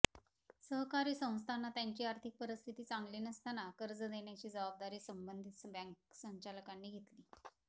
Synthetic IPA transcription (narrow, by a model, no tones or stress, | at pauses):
səɦkaɾiːsə̃w̃st̪ʰanːat̪jaɲt͡ɕiːaɾt̪ʰik̚pəɾist̪ʰit̪iːt͡saŋɡliːnəst̪anakəɾd͡zəd̪eɳjat͡ɕiːd͡zəbab̚d̪aɾiːsəmbənd̪ʱit̪sbãŋk̚səɲt͡ɕaləkanːiːɡʱet̪liː